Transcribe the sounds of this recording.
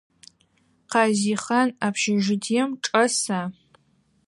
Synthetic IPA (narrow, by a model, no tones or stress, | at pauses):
qɑːziːχɐnaːpʰʃɪʒɪdʰijɛmʈ͡ʂʼɐsaː